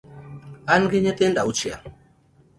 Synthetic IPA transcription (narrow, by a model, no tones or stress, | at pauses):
anɡeɲet̪endaut͡ʃia̰